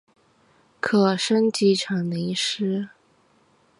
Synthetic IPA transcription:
kʰɤ˨˩ʂə˥nt͡ɕi˧˥ʈ͡ʂʰɑ˨˩ŋd̪ə˧i˧˥˩ʂ̩˥

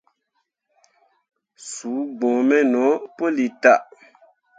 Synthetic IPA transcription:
su˨˦ɡ͡bɔ̃˨mɛ˦nɔ˨˦po˦li˨ta˦˨ʔ

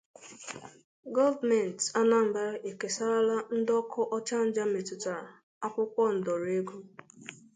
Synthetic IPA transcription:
ɡɔ˦ldme˨n˨ta˦na˦˨m̩˨ba˦ɾe˨ke˨sa˦ɾa˦la˦n̩˦dɔ˦kʰɔ˦ʔɔ˦t͡ʃa˦n̩˦d͡ʒa˦me˨tʊ˨ta˨ɾa˨ | a˦kʷʊ˦kʷɔ˦n̩˨dɔ˨ɾe˦ɡu˦

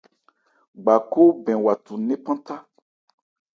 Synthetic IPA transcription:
ɡ͡ba˨ko˦bɛ̃˨wa˨tu˨nɛ̃˦pã˦ta˦

